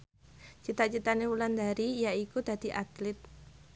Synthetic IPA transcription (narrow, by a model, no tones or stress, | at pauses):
t͡ʃit̪at͡ʃit̪anewuland̪a̤ɾijaikud̪̥ä̤d̪̥i̤ʔat̪lɪt̪̚